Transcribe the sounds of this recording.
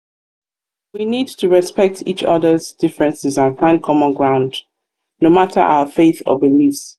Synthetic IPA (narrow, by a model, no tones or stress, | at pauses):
winidtʰuɹɛspɛk̚tʰḭt͡ʃʌ̰ðəzdɪfɹɛ̃nsɪzə̃nfãɪ̃n̚kʰɔmə̃nɡɹãʊ̃nd | nomatʰə̰ʔa̰ʊəfeɪθɔ̰bilifs